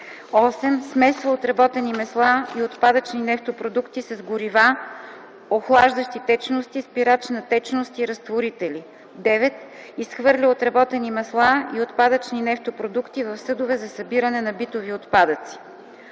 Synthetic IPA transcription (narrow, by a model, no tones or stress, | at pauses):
ɔsɛmsmɛsvəot̪ɾɐbɔt̪ɛnimɛslˠaiot̪pad̪ət͡ʃninɛft̪opɾod̪ukt̪isɐzɡʊɾiva | oxlˠaʒd̪əʃt̪it̪ɛt͡ʃnost̪ispiɾat͡ʃnɐt̪ɛt͡ʃnost̪iɾɐst̪voɾit̪ɛli | d̪ɛvɛt̪ | isxvɤɾlʲiot̪ɾɐbɔt̪ɛnimɛslˠaiot̪pad̪ət͡ʃninɛft̪opɾod̪ukt̪ivɐfsɤd̪ovɛzɐsɐbiɾənɛnɐbit̪oviot̪pad̪ət̪si̥